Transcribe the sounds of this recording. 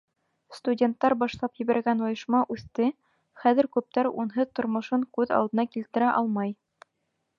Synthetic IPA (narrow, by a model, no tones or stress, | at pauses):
st̪udʲe̞nt̪ːɑɾbɑʃlˠɑpjɘ̆βæɾɡænujɤ̆ʃmɑʔʉθt̪ɘ | χæðɘ̆ɾkʉp̚t̪æɾṵnɦɤðt̪ŏɾmŏʃɤŋkʉðɑ̰lˠd̪ɤ̆nɑkilt̪ɘ̆ɾæʔɑlˠmɑj